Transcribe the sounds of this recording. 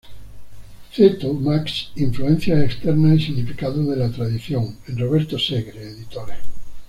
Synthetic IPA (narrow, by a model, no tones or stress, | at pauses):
θet̪umaksiɱfluen̟θjaekst̪eɾnaesiɣnifikaðoðelat̪ɾaðiθjoŋenroβeɾt̪oseɣɾeːðit̪oɾe